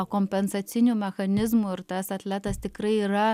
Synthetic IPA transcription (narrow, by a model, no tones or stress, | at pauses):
komʲpʲɛnsɐt̪sʲɪnʲumʲɛxɐnʲɪzmuɪɾt̪ɐsɐt̪ʲlʲæːt̪ɐst̪ʲɪkɾɐɪiːɾɐ